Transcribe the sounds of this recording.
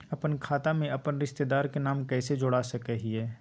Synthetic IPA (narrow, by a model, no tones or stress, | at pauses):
ɐpənkʰaːt̪amẽʔɐpənɾɪʃt̪ed̪aːɾkenaːmkɛːsed͡ʒoɽasɐkəɦiɛː